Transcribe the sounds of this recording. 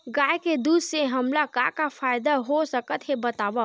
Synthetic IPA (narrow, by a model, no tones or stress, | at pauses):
ɡaːeked̪uːd̪seɦɐmlakakafʰaːjd̪aɦosəkət̪ɦebɐt̪aːʋa